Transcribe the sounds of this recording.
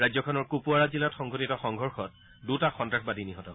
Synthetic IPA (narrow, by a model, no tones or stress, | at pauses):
ɹajzɔkʰɔnɔɹkupuaɹazilatxɔŋɡotitɔxɔŋɡʱɔɹxɔt̚ | dutaxɔntɹaxbadʱiniɦɔtɔ